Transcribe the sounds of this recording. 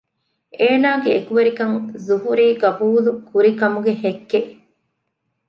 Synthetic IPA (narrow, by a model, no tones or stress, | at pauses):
ʔeːnaːɡeekuʋɐɾikɐŋzuɦuɾiːɡɐbuːlukuɾikɐmuɡehekːe